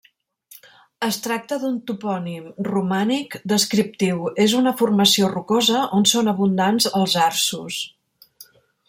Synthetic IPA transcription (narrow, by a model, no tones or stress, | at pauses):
əst̪ɾak̚t̪əðunt̪upɔnimrumanikd̪əskɾip̚t̪iwezunəfurməsiorukozəʔonsonəβund̪anzəlˠzaɾsus